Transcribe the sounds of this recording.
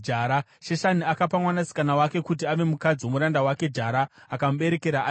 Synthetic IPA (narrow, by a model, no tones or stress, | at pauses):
d͡ʒaːɾa | ʃeʃaniakapamwanasi̥kanawake̞kut̬iaʋe̞mukad͡ziwo̞muɾandawake̞d͡ʒaɾaːkamɓe̞ɾe̞ke̞ɾaʔː